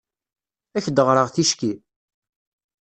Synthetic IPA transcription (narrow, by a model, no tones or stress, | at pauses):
æçd̪əʁɾəʁθiʃki